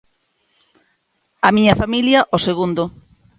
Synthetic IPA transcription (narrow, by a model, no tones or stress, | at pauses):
ɐmiɲɐfamiljɐʔoseɣund̪ʊ